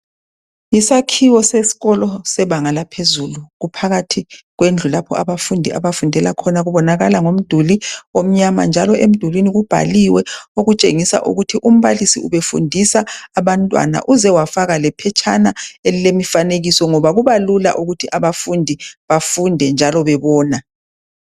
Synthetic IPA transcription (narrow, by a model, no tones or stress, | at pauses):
isakʰiwɔsesi̥ɣɔlɔsɛβaŋalapʰezuluɣupʰaɣatʰiɣwend͡ɮʱulapʰɔʔaβafundʱiʔa̰βafundʱɛlakʰɔnaɣuβɔnaɣalaŋom̩d̥ʱuliom̩ɲama̰nd͡ʒʱalɔʔem̩d̥ʱulwiniɣub̥ʱa̰liwɛoɣut͡ʃʼeŋisa̰ʔṵɣutʰiʔum̩βalisḭuβefṵndʱisaːβantʼwa̰na̰ʔuzɛwafaɣalɛpʰɛt͡ʃʰanaelilemifaneɣisɔŋɔβaɣuβalula̰ʔuɣutʰiʔaβafundʱiβafundʱɛnd͡ʒʱalɔβɛβɔːna